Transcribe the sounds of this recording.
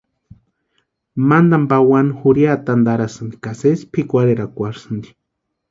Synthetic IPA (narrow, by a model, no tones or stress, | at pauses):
mand̪ambawanxuɾjat̪and̪aɾasɨnd̪ikasespʰikʷaɾeɾakʷaɾsɨnd̪i̥